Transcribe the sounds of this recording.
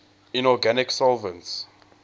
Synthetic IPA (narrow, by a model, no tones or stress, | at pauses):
ĩnɔɡanɪksɔlvə̃nts